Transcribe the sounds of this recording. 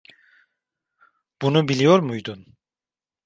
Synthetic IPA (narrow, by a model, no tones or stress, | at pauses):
b̥unubilʲijoɾmujd̪un